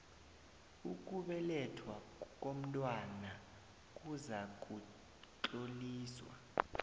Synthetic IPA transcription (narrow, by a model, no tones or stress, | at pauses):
uk̬ʼuɓɛlɛtʰwa | k̬ʼom̩tʼwana | kʼuzak̬ʼu | ǃʼoliːswa̰